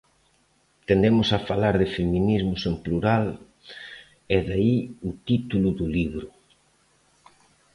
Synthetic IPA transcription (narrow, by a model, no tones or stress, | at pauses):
t̪end̪emʊsafalaɾðɪfemĩnizmʊsempluɾal | ɛðaiut̪it̪uluðuliβɾʊ